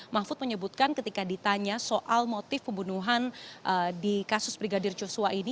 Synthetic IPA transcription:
mafʊt̪̚məɲəbut̪̚kankət̪ikadit̪aɲasoʔalmot̪ɪfpəmbunuɦanʔədikasʊsbɾiɡadɪrd͡ʒosuaini

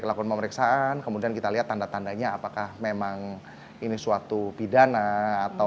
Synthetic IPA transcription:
kəlakuanpəməɾiksaʔankəmudiankit̪aliɦat̪ːandat̪andaɲaːpakahmemaŋ | inisuat̪ubidanaat̪a

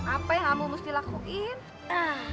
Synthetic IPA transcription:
apajaŋamumust̪ilakuʔin | a

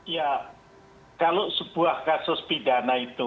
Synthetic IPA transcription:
ja | kalosəb̥uahkasʊspidanait̪u

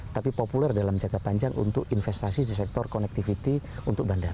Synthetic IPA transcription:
t̪apipopulɛrdalamd͡ʒaɡapaɲd͡ʒaŋʔṵnt̪ʊkinfɛst̪asidisɛk̚t̪ɔrkɔnɛk̚t̪ifit̪iunt̪ʊk̚bandar

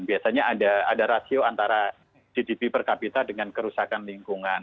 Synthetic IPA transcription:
biasaɲaːdaadaɾasioant̪aɾa | d͡ʒidipipərkapit̪adəŋankəɾusakanliŋkuŋan

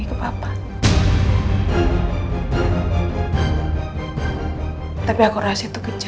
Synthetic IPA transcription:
ikəpapan | t̪apiakuɾasait̪ukə̥t͡ʃ

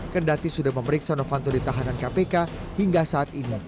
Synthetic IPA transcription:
kəndat̪isudahməməɾiksanofant̪ɔdit̪aɦanankapeka | hiŋɡasaːt̪ini

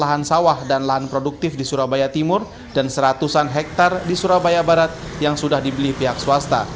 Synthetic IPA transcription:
laɦansawahdanlaɦanpɾoduk̚t̪ɪfdisuɾabajat̪imʊr | dansəɾat̪usanɦɛk̚t̪ardisuɾabajabaɾat̪̚jaŋsudahdibəlihpiɦaksuast̪a̰

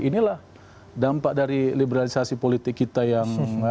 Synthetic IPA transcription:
inilah | dampaʔdaɾilibəɾalisasipolit̪ɪkːit̪ajaŋ

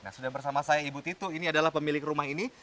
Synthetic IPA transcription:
na̰hsudahbərsamasajaibut̪it̪uiniadalahpəmilɪkrumaɦini

